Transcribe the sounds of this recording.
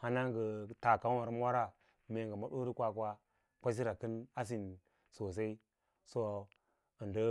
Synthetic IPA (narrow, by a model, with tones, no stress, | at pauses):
ha˦na˦ŋɡə˨ta˨ka˨˦a˨ɾm˦a˦ɾa˦ | me˨ŋɡə˨ma˦ɗo˦ɾi˦kʷa˦kwa˦ | kʷa˦s̬i˦ɾa˨kə˦na˦s̬i˨n | so˨s̬a˦i˦ | so˦ | ə˨ndə˦